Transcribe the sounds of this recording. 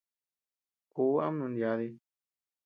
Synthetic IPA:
ku˨˦a̰˦m˦nũ˧nja˧ði˧

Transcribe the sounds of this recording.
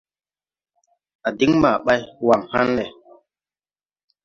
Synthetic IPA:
a˨di˦ŋma˨ɓa˦jwa˨ŋha˦nle˨

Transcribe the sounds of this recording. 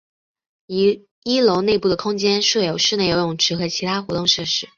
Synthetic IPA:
i˥lo˧˥ʊne˥˧ɪpu˥˩d̪ə˩kʰʊ˥ŋt͡ɕjɛ˥nʂwɤ˥˩jo˨˩ʊʂɻ̩˥˧e˥˩ɪjo˧˥ʊjʊ˨˩ŋʈ͡ʂʰɻ̩˧˥xɤ˧˥t͡ɕʰi˧˥t̪ʰa˥xwɔ˧˥t̪ʊ˥˧ŋʂɤ˥˩ʂɻ̩˥

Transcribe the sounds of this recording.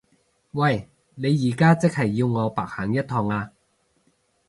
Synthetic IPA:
wɐ˥˨˩j | ne˨˧jːiː˨˩kaː˥t͡sɪ˥k̚hɐ˨˩jːiː˧wŋɔː˨˧paː˨˩k̚haː˨˩ŋjɐ˥t̚t̪ʰɔː˨˧ŋaː˧

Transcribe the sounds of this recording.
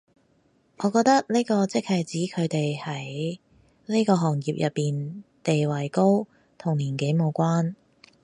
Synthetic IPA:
ʔɔː˨˧kɔː˧k̚t̪ɐ˥k̚neː˥kɔː˧t͡sɪ˥k̚hɐ˨jt͡siː˨˥kʰɵ˨˧t̪e˨jhɐ˨˥j | ne˥jkɔː˧ɦɔː˨˩ŋjiː˨p̚jɐ˨pːiː˨nt̪e˨jwɐ˨˩jko˥w | t̪ʰʊ˨˩ŋliː˨˩nke˨˥jmo˨˧wkʷaː˥n

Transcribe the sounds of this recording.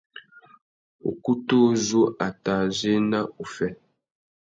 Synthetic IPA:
o̰˨ku˦to˦zo˦ʔa˨ta˨ze˦na˦u˨fɛ˦

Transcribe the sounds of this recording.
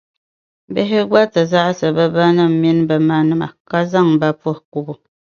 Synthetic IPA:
be˦ɦɪ˦ɡa˦tɨ˨za˦ʔsɨ˨bə˦ba˦nɨ˦m˨mi˦n˦bə˨ma˦nɨ˦ma̰˨ka˦za˦˨ŋba˦po˦˨ku˦˨bu˨

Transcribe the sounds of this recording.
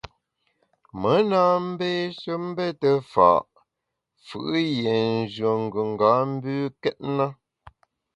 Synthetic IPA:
mə˨˦na˦m̩˦be˦ʃə˦m̩˦be˦tə˦fa̰˨ʔ | fɯ̰˨ʔje˨n̩˦zɰə˨ŋ̩˨ɡʉ˨ŋ˨ɡa˨˦m̩˦bʉː˦kɛ˦t̚na˦

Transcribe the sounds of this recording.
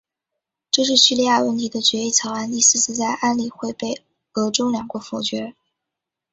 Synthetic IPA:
ʈ͡ʂɤ˥˧ʂ̬ɻ̩˥˧ɕy˥˧li˥˧ja˥˧wə˥˩nt̪ʰi˧˥d̪ə˧t͡ɕɥɛ˧˥i˥˩t͡sʰɑ˧˥ʊa˥˧ni˥˧sɹ̩˥˧t͡sʰɹ̩˥˧t͡sa˥˧ɪʔa˥nli˨˩xwe˥˧ɪpe˥˩ɪ | ɤ˧˥ʈ͡ʂo˥ʊljɑ˨˩ŋkwɔ˧˥fɔ˧˩t͡ɕɥɛ˧˥

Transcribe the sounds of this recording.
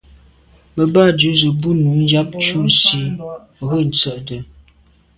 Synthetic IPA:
mə˨ba˦˨dʉ˨˦zə˨bu˦nu˨˦n˦d͡ʒa˦p̚t͡ʃu˦˨n̩˨si˦ | ɣə˦˨n̩˨t͡sə˨ʔdə˨

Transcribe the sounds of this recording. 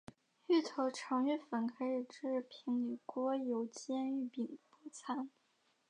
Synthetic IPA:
y˥˩t̪ʰo˧˥ʊʈ͡ʂʰɑ˧˥ŋy˥˩fə˨˩nkʰa˧˥ɪʂ̩˨˩ʈ͡ʂɻ̩˥˩pʰi˧˥ŋli˨˩kwɔ˥jo˧˥ʊt͡ɕjɛ˥ny˥˩pi˨˩ŋpɔ˧˥t͡sʰa˧˥n

